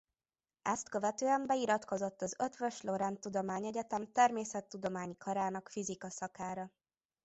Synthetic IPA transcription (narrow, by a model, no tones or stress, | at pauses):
ɛst̪kø̞vɛt̪øːɛmbɛiɾɒt̪ko̞zo̞t̪ːɒzø̞t̪ʋøʃlo̞ɾɛnt̪ud̪o̞maːɲɛɟɛt̪ɛmt̪ɛrmeːsɛt̪ːud̪o̞maːɲikʰɒɾaːnɒkfizikɒsɒkaːɾɒ